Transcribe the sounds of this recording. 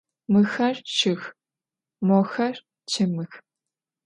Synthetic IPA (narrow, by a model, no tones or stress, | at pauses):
mɨxɐrt͡ʃʰɪx | mɔxɐr | t͡ʃʰɨmɨx